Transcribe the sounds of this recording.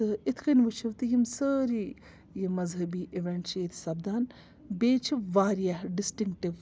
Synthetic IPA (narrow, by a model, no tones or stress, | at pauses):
ɨit̪ʰkinʲʋɨt͡ʃʰiʋt̪ɨjimsəːɾi | jimɐzɦɐbiːʔiʋeɳʈt͡ʃʰet̪ʰsɐbd̪aːn | beːt͡ʃʰiʋaːɾijaɖɪsʈiŋk̚ʈiʋ